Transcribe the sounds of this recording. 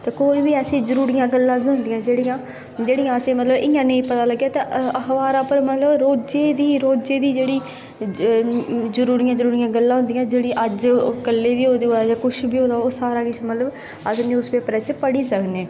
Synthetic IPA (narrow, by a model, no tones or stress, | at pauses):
t̪eːkoːiːbiːəsĩːzəɾuːɾɪjãːɡəlːãːbiːɦʊ̃nd̪ɪjãːd͡ʒeːɽijãː | d͡ʒeːɽijãːəsẽːmət̪ləbɪjãːnəĩːpət̪aːləɡːjaːt̪eːəxʋaːɾaːpəɾmət̪ləbɾoːd͡ʒeːd̪iːɾoːd͡ʒeːd̪iːd͡ʒeːɽiː | zəɾuːɾɪjãːzəɾuːɾɪjãːɡəlːãːɦʊ̃nd̪ɪjãːd͡ʒeːɽiːʔəd͡ʒkəlːeːʋiːɦoːd̪eːɦoːd̪aːd͡ʒaːkʊʃbiːoːd̪aːoːsaːɾaːkɪt͡ʃmət̪ləb | əsniːʊsbeːpɾɛːt͡ʃpəɽiːsəkneː